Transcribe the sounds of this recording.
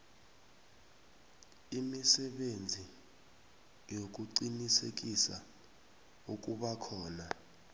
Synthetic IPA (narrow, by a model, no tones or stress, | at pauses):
imisɛɓend͡zʱi | jok̬ʼuǃinisḛk̬ʼisa̰ | uk̬ʼuɓakʰɔːna